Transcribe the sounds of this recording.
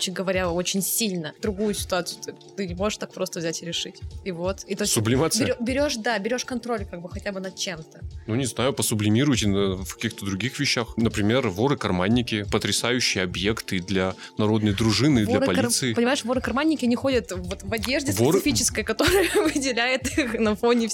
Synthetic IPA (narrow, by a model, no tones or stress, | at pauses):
ot͡ɕɪnʲɡəvɐɾʲao̞t͡ɕɪnʲsʲilʲnəd̪ɾʊɡujʊsʲɪ̥t̪ʊat̪sɨjʊt̪o | t̪ɨnʲɪmo̞ʐɨʂt̪ak̚pɾo̞st̪əvzʲætʲɪɾʲɪʂɨtʲivo̞t̪it̪osʲsʊblʲɪmat̪sbʲɪɾʲobʲɪɾʲo̞ʂd̪abʲɪɾʲo̞ʂkɐnt̪ɾo̞lʲkaɡ̚bɨxɐtʲabɨnɐt̪̚t͡ɕemt̪ənunʲɪznajʊpəsʊblʲɪmʲiɾʊjtʲɪnəfkɐ̥kʲixt̪əd̪ɾʊɡʲixvʲɪɕːaxnəpɾʲɪmʲe̞rvo̞ɾɨkɐrmanʲːɪkʲɪpət̪ɾʲɪsajʉɕːɪjəɐbje̞kt̪ɨd̪lʲɐ | nɐɾo̞d̪nəjd̪ɾʊʐɨnɨd̪lʲɐɾpɐlʲsɨɪpənʲɪmaɪʂvo̞ɾɨkɐrmanʲːɪkʲɪɐnʲɪxo̞dʲət̪vo̞t̪vɐdʲe̞ʐdʲɪsɪsɪfʲit͡ɕɪ̥skəjəkɐt̪o̞ɾəjəvɨdʲɪlʲæjɪt̪ixnɐfo̞nʲɪf